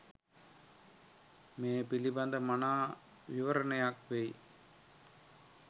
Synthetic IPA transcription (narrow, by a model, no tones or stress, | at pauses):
meːpilibɐnd̪ɐmɐnaː | ʋiʋɐɾɐnɐjaːkʋej